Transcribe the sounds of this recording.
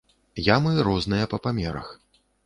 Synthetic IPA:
jamɨɾɔznɨjɐpɐpamʲɛɾɐ̰x

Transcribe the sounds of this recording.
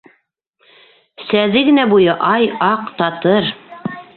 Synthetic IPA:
sæðɘɡɘ̆næbujɤʔɑjɑqt̪ɑt̪ɤɾ

